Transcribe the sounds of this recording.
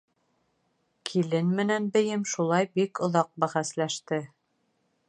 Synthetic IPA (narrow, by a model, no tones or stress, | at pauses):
kʰilɘnmɘ̆nænbɘ̆jɘmʃulˠɑjbikŏðɑq̚bæχæslæʃt̪ɘ